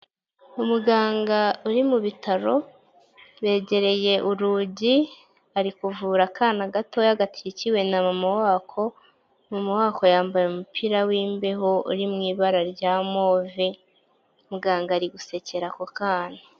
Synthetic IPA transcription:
umuɡaːŋɡauɾimuβitʰaɾo̞ | βe̞ːɟe̞ɾe̞je̞ʔuɾuɟi | aɾikuvuːɾakʰaːnaɡato̞jaɡatʰiiciwe̞namamawaːkʰo̞ | mamawaːko̞jaːmbajomupʰiɾawiːmbe̞ɦo̞ṵɾimŋiːβaɾaɾɟaːmo̞ːvi | umuɡaːŋɡaɾiɡuse̞ce̞ɾakokaːna

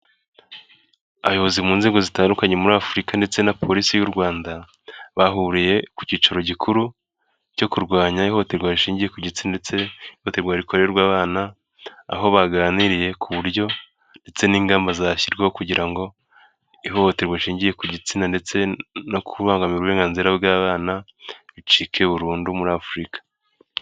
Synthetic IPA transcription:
ajo̞βozimuːnze̞ːɡo̞zitaːndukaɲe̞muɾaːfuɾikande̞t͡se̞napʰo̞ɾisijuɾɡwaːnda | βaɦuɾije̞ku̥ciːt͡ʃaɾo̞ɟikʰuɾu | co̞kuɾɡwaːɲaiho̞hoteɾɡwaɾiʃiːɲɟije̞kuɟit͡sinaet͡se̞ihoteɾɡwaɾiko̞ɾeeɾɡwaːβaːna̰ː | ɦo̞βaɡaːniɾije̞kʰuβuɾjo̞ | nde̞t͡se̞niːŋɡaːmbazaçiɾɡehokuɟiɾaŋɡo̞ | iɦo̞hoteɾɡwaiʃiːɲɟije̞kuɟit͡sinande̞t͡se̞no̞kʰuβaːŋɡamiuβuɾeːŋɡanziɾabɡaːβaːna | βit͡ʃikʰe̞βuɾuːndumuɾaːfuɾikḁ

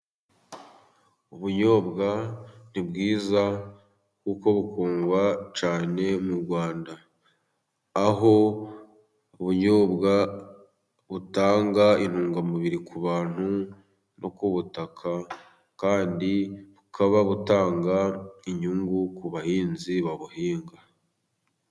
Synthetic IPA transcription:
uβuɲo̞ːbɡan̥ibɡiːza | kuːko̞βukʰuːŋɡwat͡ʃaːne̞muɾɡwaːnda | ɦo̞ | uβuɲo̞ːbɡa | βutaːŋɡain̥uːŋɡamuβiɾikuβaːn̥hu | no̞kuβutakʰa | kaːndiβukʰaβaβutaːŋɡaiɲuŋɡukuβahiːnziβaβuhiːŋɡa

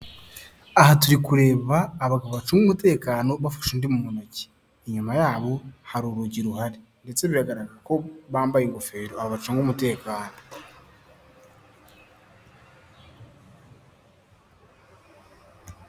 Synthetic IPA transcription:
ahatuɾikuɾe̞ːβaːβaɡaββat͡ʃuŋɡumute̞ːkaːno̞βafḁʃundimumunaci̥ | eɲumajaːβo̞haɾuɾuɟiɾuhaɾe | nde̞t͡se̞βiɾaɡaɾaɡako̞βaːmbajeŋɡofe̞ːɾoaβaβat͡ʃuŋɡumute̞ːkaːno̞

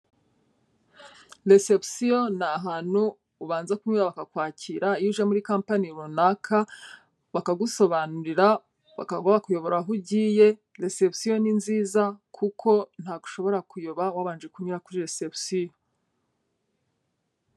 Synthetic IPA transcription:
ɾese̞psijonaɦaːn̥huː | βaːnzakumɲiβaβakakwaːcʰiɾaijuʒemuɾikampaniɾunakʰa | βakaɡuso̞βanuɾiɾa | βa̰kaɡwaβakujo̞βo̞ɾaɦuɟiːje̞ | ɾe̞se̞psijo̞ninziːzakʰukʰo̞n̥haːɡuʃo̞βo̞ɾakujoβawaβaːnd͡ʒekuɲiɾakuɾiɾesepsijo

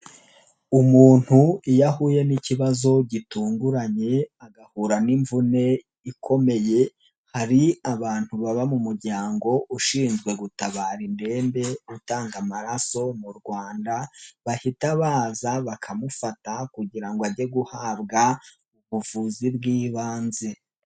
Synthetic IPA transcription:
umuːn̥huijahuːje̞niciβazo̞ɟituːŋɡuɾaɲe̞aɡahuːɾaniɱvune̞ | ikʰo̞me̞je̞ | haɾiaβaːn̥huβaβamumuɾɟaːŋɡo̞ʔuʃiːnzɡwe̞ɡutaβaːɾinde̞ːmbe̞utaːŋɡamaɾaso̞muɾɡwaːndaβahitaβaːzaβakʰamufatakuɟiɾaŋɡoaɟe̞ɡuhaːβɡa | uβuvuzibɡiːβaːnze

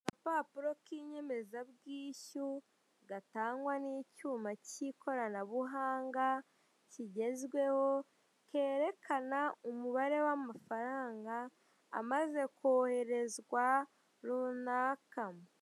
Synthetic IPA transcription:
ɡapaːpuɾo̞kiɲe̞me̞zabɡiːçu | ɡataːŋɡwaniːcuːmaciːkʰo̞ɾanaβuɦaːŋɡa | ciɟe̞zɡwe̞ho̞ | ke̞ːɾe̞kʰanaumuβaɾe̞wamafaɾaːŋɡa̰ː | maze̞koːhe̞ɾe̞zɡwa | ɾunakamo

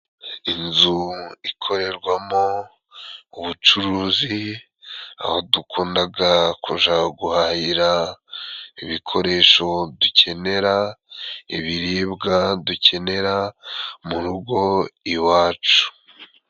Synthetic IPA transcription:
inzuikʰo̞ɾe̞ɾɡwamo | uβut͡ʃuɾuːzi | a̰hodukʰuːndaɡakuʒaɡuhahiɾa | iβikʰo̞ɾe̞ʃo̞ducʰe̞ne̞ɾa | iβiɾiːbɡaduce̞ne̞ɾamuɾuɡo̞iwaːt͡ʃu̥

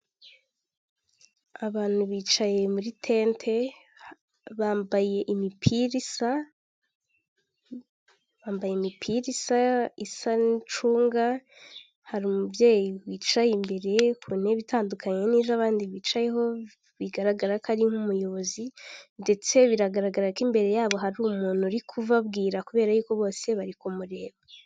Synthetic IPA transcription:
aβaːn̥huβiːt͡ʃaje̞muɾitʰe̞ntʰe̞ | βaːmbaje̞ʔimipʰiɾisa | βaːmbajemipʰiɾisaisanit͡ʃuːŋɡa | haɾuːmubjeːjiwiːt͡ʃajimbe̞ɾe̞kʰun̥e̞βitaːndukʰaɲe̞niːzaβaːndiβiːt͡ʃajeɦo̞ | βiɡaɾaɡaɾakaɾiŋhumujo̞βo̞zinde̞t͡se̞βiɾaɡaɾaɡaɾakimbe̞ɾe̞jaːβo̞ɦaɾuːmuːn̥huɾikʰuvabɡiːɾakuβe̞ːɾajuːko̞βo̞ːse̞βaɾikomuɾe̞ːβa

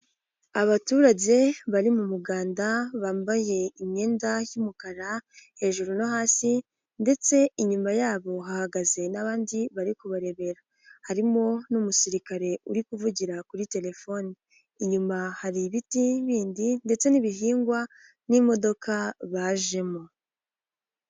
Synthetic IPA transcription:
aβatuːɾaɟe̞βaɾimumuɡaːndaβaːmbaje̞imɲe̞ːndajumukaɾahe̞ːʒuɾunoɦaːsi | nde̞t͡se̞iɲumajaːβo̞ɦahaɡaze̞naβaːndiβaɾikuβaɾe̞βe̞ɾa | haɾimo̞numusiɾikaɾe̞uɾikuvuɟiɾakuɾite̞le̞fo̞niː | ɲumahaɾiβitiβiːndinde̞t͡se̞niβiɦiːŋɡwa | nimo̞do̞kʰaβaːʒe̞mo

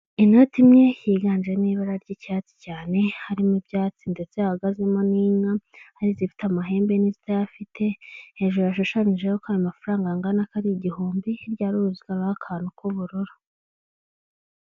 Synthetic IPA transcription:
ino̞timɲe̞jiːɡaːnd͡ʒeniːβaɾaɾɟicaːt͡si̥caːne̞haɾimubjaːt͡sinde̞t͡sehaɡazimaniːŋahaɾizifi̥tamaɦe̞ːmbe̞nizitajafitʰe̞he̞ːʒujaʃuʃaniʒejokajumafaɾaːŋɡaŋɡanakaɾiɟihuːmbiɾɟaːɾuuziɡaβaakʰaːnukuβuɾuɾu

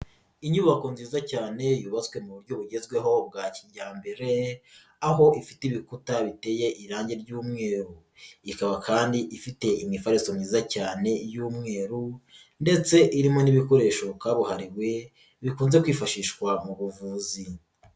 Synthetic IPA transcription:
iɲuːβako̞nziːzacaːne̞juβazwe̞muβuɾɟo̞βuɟe̞zɡwe̞ɦo̞b̚ɡaːciɲɟaːmbe̞ɾe̞ | aɦo̞ʔifitiβikutaβite̞je̞ʔiɾaːɲɟe̞ɾɟuːmŋe̞ːɾu | ikaβakʰaːndiʔifite̞imŋifaɾisomɲiːzacaːne̞juːmŋe̞ːɾu | nde̞t͡se̞ʔiɾimo̞niβiko̞ɾe̞ːʃo̞kaːβuhaɾiβwe̞ | βikuːnze̞kwiːfaʃiːʃwamuβuvuːzi

